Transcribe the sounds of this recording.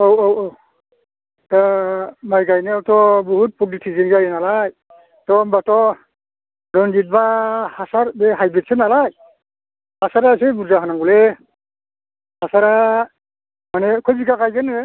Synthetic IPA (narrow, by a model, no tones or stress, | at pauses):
owowow | tamajɡajneawtɔbɔɦut̚pɔk̚ditʰizinɡajɛnalaj | tɔbatɔ | dɔnd͡ʒit̚bahasaɾbɛɦajbɛt̚sɛnalaj | hasaɾas̬ebuɾzaɦanaŋɡɔlɛ | hasaɾa | manɛkʰɔjziɡakajɡanɛ